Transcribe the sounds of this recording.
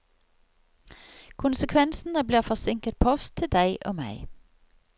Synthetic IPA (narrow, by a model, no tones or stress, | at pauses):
kʰʊnsəkʰʋɛnsn̩əbliːʁfɔsɪŋkət̪̚pʰɔst̪ʰɪd̪æɪʔo̰ːmæ̰ɪ